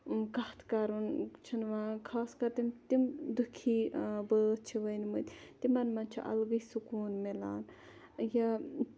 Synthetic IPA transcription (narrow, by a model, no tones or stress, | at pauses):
kɐht̪ʰkɐɾunt͡ʃʰinʋakʰaːskɐɾt̪imt̪imd̪ukʰiːbət̪̚t͡ʃʰiʋɐjnmɨt̪ʲt̪imɐnmɐnt͡ʃʰḭʔɐ̰lɡɨjsukuːnmelaːn | jɐ